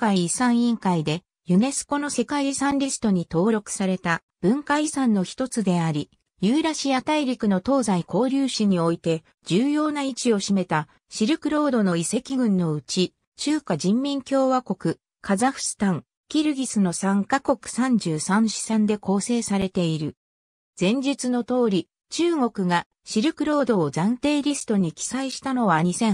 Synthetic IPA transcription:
kaiːsãɰ̃ĩŋkaid̪e̞ | jɯ̟ne̞sɨ̥ko̞no̞se̞kaiɾʲisãnʲɾʲisɨ̥t̪o̞ɲ̟it̪o̞ːɾo̞kɯ̟̥saɾe̞t̪a | b̥ɯ̟̃ŋkaisãnːo̞çi̥t̪o̞t͡sɨd̪e̞aɾʲi | jɯːɾaɕiat̪aiɾʲikɯ̟no̞t̪o̞ːzaiko̞ːɾʲɨːɕiɲ̟io̞it̪e̞ | d͡ʑɨːjo̞ːnait͡ɕio̞ɕime̞t̪a | ɕiɾɯ̟kɯ̟ɾo̞ːd̪o̞no̞ise̞kʲiɡɯ̟̃nːo̞ɯ̟t͡ɕi | t͡ɕɨːkad͡ʑĩmːʲĩŋkʲo̞ːβako̞kɯ̟ | kazaɸɯ̟̥sɨ̥t̪ãŋ | kʲiɾɯ̟ɡʲisɨno̞sãŋkako̞kɯ̟̥sãɲ̟d͡ʑɨːsãɰ̃ɕi̥sãnd̪e̞ko̞ːse̞ːsaɾe̞t̪e̞iɾɯ̟ | z̥ẽ̞ɲ̟d͡ʑit͡sɨno̞t̪o̞ːɾʲi | t͡ɕɨːŋo̞kɯ̟ɡa | ɕiɾɯ̟kɯ̟ɾo̞ːd̪o̞ːzãnt̪e̞ːɾʲisɨ̥t̪o̞ɲ̟ikʲi̥saiɕi̥t̪ano̞βaɲ̟isẽ̞

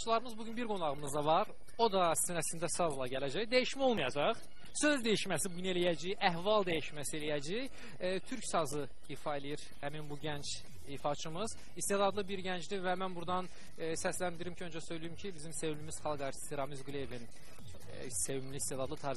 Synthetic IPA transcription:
t͡ʃʰɯlˠɑɾɯmɯzbuɟynbiɾɡo̞nɑʁɯmɯzd̪ɑvɑɾ | o̞d̪ɑsinæsind̪æsɑzlˠɑɟælæd͡ʒæçd̪æjiʃmæo̞lˠmɯjɑd͡ʒɑʁ | sø̞zd̪æjiʃmæsibuɟyne̞lʲijæd͡ʒijæhvɑlˠd̪æjiʃmæsie̞lijæd͡ʒij | t̪ʰyɾcsɑzɯ | ifɑelʲijiɾ | hæminbuɟænt͡ʃʰ | ifɑt͡ʃʰɯmɯz̥ | ist̪eld̪ɑd̪lˠɯbiɾɟænd͡ʒd̪ivæmænbuɾd̪ɑn | sæslænd̪iɾimcʰiønd͡ʒɛsø̞jlʲijimcʰibizimse̞vimlymiz̥χɑlˠɡɑɾt̪ʰi̥st̪iɾɑmizɡulije̞vin | se̞vimlist̪ed̪ɑd̪lˠɯt̪ʰɑːɾ

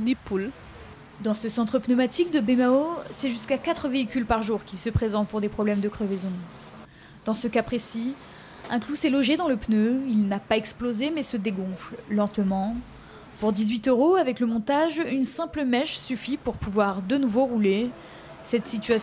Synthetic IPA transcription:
nepul | d̪ɑ̃səsɑ̃t̪χəpnəmat̪ik̚d̪əbemaosɛʒyskakat̪χəveikʲylpaʁʒuʁkʲisəpχezɑ̃t̪̚puʁd̪epχɔblɛmd̪əkχəvezɔ̃ | d̪̥ɑ̃səkapχesi | ɛ̃klusɛlɔʒed̪ɑ̃ləpnøilnapaɛksplozemɛsəd̪eɡɔ̃fllɑ̃t̪mɑ̃ | puʁd̪izɥit̪øʁoavɛkləmɔ̃t̪aʒynsɛ̃pləmɛʃsyfipuʁpuvwaʁd̪ənuvoʁule | sɛt̪sit̪ɥas

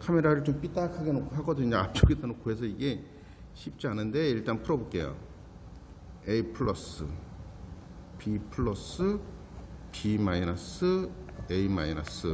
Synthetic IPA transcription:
kʰame̞ɾaɾɯɭt͡ɕomp͈it͈akʰaɡenokʰhaɡʌdeɲaap̚t͡ɕ͈oɡitanokʰoɦes̬ʰʌiɡe̞ | ɕʰip̚t͡ɕ͈ianɯnde̞iɭt͈anpʰɯɾʌbuk͈ḛjo̰ | eipʰɯɭːʌs͈ɯ̰ | pipʰɯɭːʌs͈ɯ | pimainasɯeima̰ina̰s͈ɯ

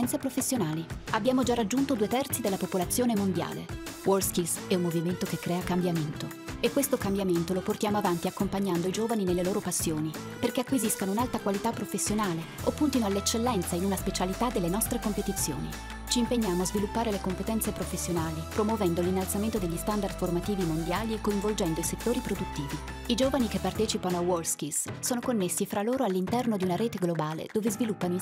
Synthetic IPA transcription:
nt̪sepɾofesːjonaːliabːjaːmod͡ʒarad͡ʒːunt̪od̪uet̪ɛrt̪sid̪elːapopolat̪sːjoːnemond̪ja̰ːlḛ | wʔolskilsɛumːoviment̪okekːɾɛːakambjament̪o | ekːwest̪okambjament̪oloport̪jaːmoavant̪iakːompaɲːand̪oid͡ʒoːvaninelːeloːɾopasːjoːni | perk̟eakwiziskanounalt̪akwalit̪apːɾofesːjonaːle | opːunt̪inoalːet͡ʃːelːɛnt̪sainunaspet͡ʃalit̪ad̪ːelːenɔst̪ɾekompet̪it̪sːjo̰ːnḭ | t͡ʃiːmpeɲːaːmoazvilupːaːɾelekompet̪ɛnsepɾofesːjonaːlipɾomwovɛnd̪olinːalt̪sament̪od̪eʎːist̪and̪ard̪̥format̪iːvimond̪jaːliekːoiɱvold͡ʒɛnd̪oiset̪ːoːɾipɾod̪ut̪ːiːvi | id͡ʒoːvanikepːart̪ɛːt͡ʃipanoawɔlskissoːnokonːesːifɾaloːɾoalːint̪ɛrnod̪iunaɾeːt̪eɡlobaːlḛd̪oːvezvilupːanoi

